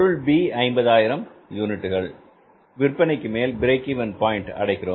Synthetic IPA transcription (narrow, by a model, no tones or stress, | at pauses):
ɻɯɭbiːɐɪmbɐðaːjɪɾɐmjuːnɪʈːɯɣɐɭ | ʋɪrpːɐnɪkːɯmeːlbɪɾeːkːiʋɐnpaːjɪɳʈɐ̰ɽɐɪkːɪroː